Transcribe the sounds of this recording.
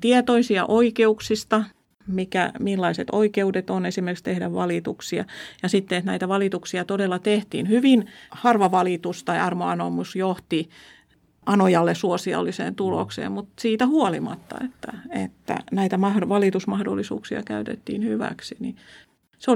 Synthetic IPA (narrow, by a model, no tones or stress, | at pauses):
t̪iet̪oisiɑ̰ʔoikeuksist̪ɑ | mikæ̰milːɑiset̪o̰ikeudet̪onesimerkikst̪ehdæʋʋɑlit̪uksiɑ̰jɑsit̪ːeet̪næit̪æʋɑlit̪uksiɑt̪odelːɑt̪eht̪ḭːnhyʋinhɑrʋɑʋɑlit̪ust̪ɑiɑrmoɑnomusjoht̪i | ʔɑnojɑlːesuosiɑ̰lːisḛːnt̪ulo̰ksḛːmmut̪siːt̪æhuolimɑ̰t̪ːɑ̰et̪ːæ̰ḛt̪ːæ̰næit̪æmɑhdʋɑlit̪usmɑhdo̰lːisṵːksiɑ̰kæyt̪ḛt̪ːḭːnhyʋæ̰ksini | seo